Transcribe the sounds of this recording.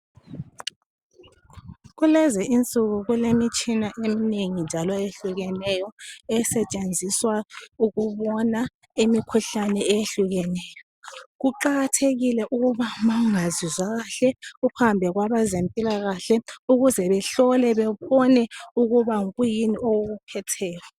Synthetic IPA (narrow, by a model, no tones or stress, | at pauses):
ɣulɛzɛʔint͡sʼuɣuɣulemit͡ʃʼinaʔemineŋind͡ʒʱalɔeɬuɣɛnɛjɔɛsɛt͡ʃʼend͡zʱiswauɣuβɔna | imikʰuɬanɛɛjeɬuɣɛnɛːjɔɣuǃaɣatʰeɣilɛʔuɣuβamaŋazizwaɣaɬɛuhambʱɛɣwaβazempʼilaɣaɬɛuɣuzɛβɛɬɔlɛβɛβɔnɛuɣuβaŋɣujiniowuɣukʰɛtʰɛːla